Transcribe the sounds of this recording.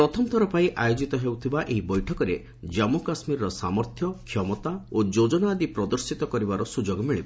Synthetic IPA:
pɾɔt̪ʰɔmɔt̪ʰɔɾɔpaĩʔajod͡ʒit̪ɔɦewt̪ʰibaʔeɦibɔjʈʰɔkɔɾe | d͡ʒamukasmiɾɔɾɔsamɔɾt̪ʰjɔkʰːjɔmɔt̪aod͡ʒod͡ʒɔnaːd̪ipɾɔd̪ɔɾsit̪ɔkɔɾibaɾɔsud͡ʒoɡɔmiɭiba

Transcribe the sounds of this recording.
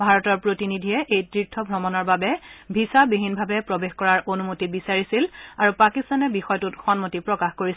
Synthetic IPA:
bʱaɹɔtɔɹpɹotinidʱiɛʔejtɹitʰːɔbʱɹɔmɔnɔɹbabɛbʱisabeɦinbʱabɛpɹobexkɔɹaɹʔonumotibisaɹisilaɹupakist̪anɛbixɔjtutxɔnmotipɹɔkaxkoɹis

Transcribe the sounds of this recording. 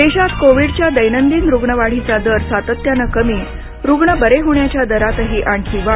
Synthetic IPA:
d̪eɕat̪koʋiɽt͡ɕjad̪əjnənd̪iːnɾuɡɳəʋaɽ̤it͡sad̪əɾsat̪ət̪janəkəmiː | ɾuɡɳəbəɾeɦoɳjat͡ɕjad̪əɾat̪əɦiːʔaɳkʰiːʋa

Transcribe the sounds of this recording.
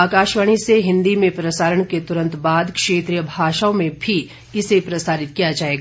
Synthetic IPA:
aːkaːʃʋaɽ̃iseɦɪ̃nd̪imẽpɾɐsaːɾəɽ̃ket̪ʊɾə̃nt̪baːd̪kʃeːt̪ɾijəbʱaːʃəõmẽbʱi | ɪsepɾɐsaːɾɪt̪kijad͡ʒaːeːɡaː

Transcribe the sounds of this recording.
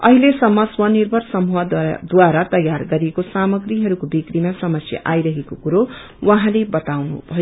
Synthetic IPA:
ʌ̰ɦilesʌmːʌswʌnirbʱʌrsʌmuɦad̪waɾat̪ʌjarɡʌɾiekosamʌɡriɦʌɾukobikrimasʌmʌsjʌ̰ʔajɾʌɦekokuɾo | wʌɦãlebʌt̪awnṵbʱʌjo

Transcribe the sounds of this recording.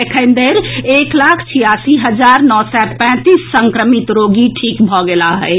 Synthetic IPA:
ekʰə̃ɪnd̪eɾeklakʰt͡ʃʰijasiɦəd͡ʒaɾnɔsɛpɛ̃t̪isːəŋkɾəmit̪ɾoɡiʈʰikbʱɔɡelaɦɛ̰ɪ

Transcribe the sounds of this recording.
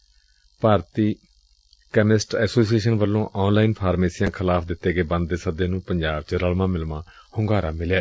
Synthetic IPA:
paːɾt̪iː | kɛmɪsʈɛːsoːsieːʃənʋəlːõːʔɔːnlaːinpʰaːɾmeːsijãːkʰəlaːpʰd̪ɪt̪ːeːɡeːbə̃nd̪d̪eːsəd̪ẽːnũːpəɲd͡ʒaːbt͡ʃəɾəlmãːmɪlmãː | hʊŋɡaːɾãːmɪljeː

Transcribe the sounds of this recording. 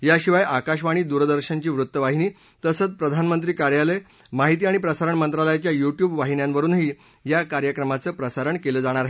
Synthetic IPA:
jaɕiʋajakaɕʋaɽ̃iːd̪uɾd̪əɾɕənt͡ɕiːʋɾut̪ːəʋaɦiniː | t̪əsəːt͡spɾəd̪ʱanmənt̪ɾiːkaɾjale | maɦit̪iːaɽ̃ipɾəsaɾəɳmənt̪ɾaləjat͡ɕjajuʈjuːbʋaɦinjãnʋəɾuːnɦiː | jakaɾjəkɾəmat͡səːpɾəsaɾəɳkeləːd͡zaɽ̃aɾaɦe

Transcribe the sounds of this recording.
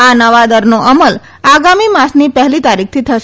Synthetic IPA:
anəʋad̪əɾnoʔəməl | aɡamimãsnipəɦlit̪aɾik̚t̪ʰit̪ʰəʃ

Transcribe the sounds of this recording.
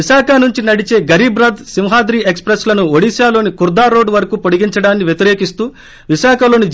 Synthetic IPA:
iʃaːkʰɐnuɲt͡ʃinɐɽit͡ʃe̞ːɡɐɾiːbɾɐd̪simɦaːd̪ɾiːekspɾeslɐnuoɽisjaːlo̞ːnikuɾd̪aːɾo̞ːɖʋɐɾɐkuːpoɽiɡiɲt͡ʃɐɽaːnːiʋjet̪iɾe̞ːkist̪uː | ʋiʃaːkʰɐlo̞ːni

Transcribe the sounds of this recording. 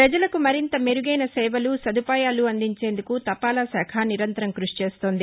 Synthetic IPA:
pɾɐd͡ʒɐlɐkumɐɾint̪ɐmeɾuɡɐjnɐsɛːʋɐlusɐd̪upaːjaːluɐnd̪iɲt͡ʃe̞ːnd̪ukut̪ɐpːaːlɐsɛːkʰaniɾɐnt̪ɐɾɐmkɾuʂi̥t͡ʃeːst̪oːnd̪i

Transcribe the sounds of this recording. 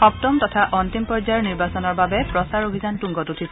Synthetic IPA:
xɔp̚tɔmtɔtʰaʔɔntimpɔɹd͡ʒajɔɹniɹbasɔnɔɹbabɛpɹɔsaɹobʱizantuŋɡɔtutʰis

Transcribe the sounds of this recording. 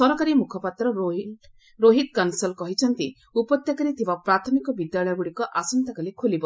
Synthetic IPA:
sɔɾɔkaɾimukʰɔpat̪ɾɔ | ɾoɦit̪̚kansɔlkɔɦit͡ʃʰɔnt̪i | upɔt̪jakaɾit̪ʰibapɾat̪ʰɔmikɔbid̪jaɭɔjɔɡuɽikɔʔasɔnt̪akalikʰolibɔ

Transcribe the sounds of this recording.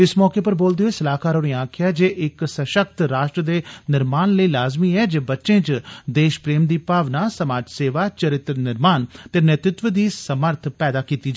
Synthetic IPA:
ɪsmɔːkeːpəɾboːld̪eoːesəlaːkaːɾoːniaːkʰjaːd͡ʒeːʔɪksəʃək̚t̪ɾaːʃʈɾəd̪eːnɪɾmaːnləiːlaːzmiːɛːd͡ʒeːbətːʃẽːt͡ʃd̪eːʃpɾeːmd̪iːpaːʋnaːsəmaːd͡ʒseːʋaːt͡ʃəɾɪt̪ɾənɪɾmaːnt̪eːnət̪ɾɪt̪ʋəd̪iːsəməɾt̪ʰpɛːd̪aːkiːt̪iːd͡ʒa

